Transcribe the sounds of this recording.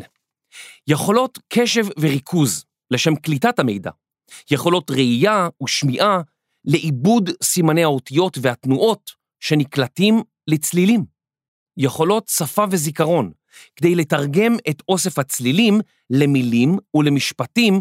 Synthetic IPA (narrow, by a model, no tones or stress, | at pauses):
jeχo̞lo̞tkʰe̞ʃe̞vveʁikʰuz | leʃe̞mklitathame̞̰jda̰ | jeχo̞lo̞tʁeijauʃmiʔa | le̞ʔibudsimanejaotijo̞tveatnuʔo̞t | ʃe̞niklatim | let͡slilim | jeχo̞lo̞tsafave̞zikaʁo̞n | kd̪ejle̞taʁɡe̞meto̞se̞fhat͡slilim | lemilimule̞miʃpatim